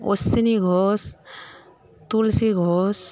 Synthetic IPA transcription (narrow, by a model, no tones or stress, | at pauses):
osiniɡʱɔs | t̪ulsiɡʱɔs